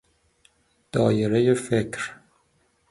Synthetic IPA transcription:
d̪̥ɒːjeɾejefekʰɾ

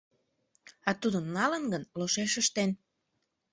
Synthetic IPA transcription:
ɑt̪ud̪ənːɑlənɡənloʃeʃəʃt̪en

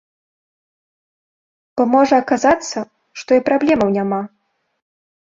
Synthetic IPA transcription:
b̥ɔmɔʐɐːkazat̪sːɐ | ʂt̪ɔipɾablʲɛmɐwnʲama

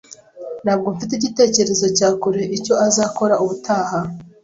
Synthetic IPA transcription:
n̥haːb̚ɡomfit̬eiɟite̞ːce̞ɾe̞zo̞caːkuɾe̞ʔico̞azaːko̞ɾauβutʰaːɦa

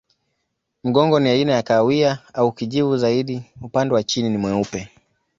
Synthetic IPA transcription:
m̩ɠɔŋɡɔniainajakawiaaukiʄivuzaiɗiupandɛwat͡ʃininimwɛupɛ

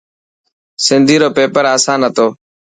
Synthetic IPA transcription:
sɪnd̪ʱiːɾoːpeːpəɾaːsãːnɦət̪oː

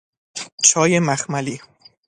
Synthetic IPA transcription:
t͡ʃʰɒːjemæxmæliː

